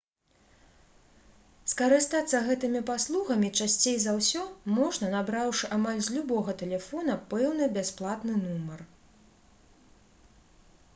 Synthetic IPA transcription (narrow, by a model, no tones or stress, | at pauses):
skɐɾɨst̪at̪sːɐɣɛt̪ɨmʲipaslˠuɣɐmʲit͡ʂasʲt͡sʲejzawsʲɔmɔʐnɐnabɾawʂɨʔamalʲzʲlʲubɔɣɐt̪ɛlʲɛfɔnɐpɛwnɨbʲasplˠat̪nɨnumɐr